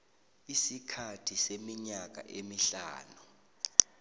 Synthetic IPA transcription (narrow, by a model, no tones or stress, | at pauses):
isikʰatʰisemiɲak̬ʼa̰ʔemiɬaːnu